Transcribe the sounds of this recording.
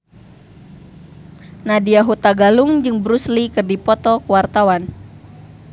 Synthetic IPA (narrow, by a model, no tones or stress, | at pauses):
nadiaɦut̪aɡaluŋd͡ʒɨŋbɾuslikɨrdipɔt̪ɔkuwart̪awan